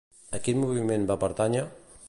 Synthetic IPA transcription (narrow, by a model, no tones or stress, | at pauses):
əkit̪muβimẽnbapəɾt̪aɲa